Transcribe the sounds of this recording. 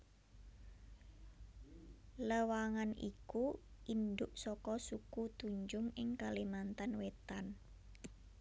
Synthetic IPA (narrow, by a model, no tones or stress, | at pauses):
ləwaŋanḭkuʔind̪ʊʔsɔkɔsukut̪uɲd͡ʒʊŋɪŋkalimant̪anwet̪an